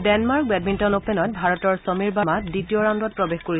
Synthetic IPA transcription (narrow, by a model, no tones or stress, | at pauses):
dɛnmaɹkbɛd̚mintɔnopenɔt̚bʱaɹɔtɔɹsɔmiɹbamatditiɔɹãndɔt̚pɹɔbexkoɹi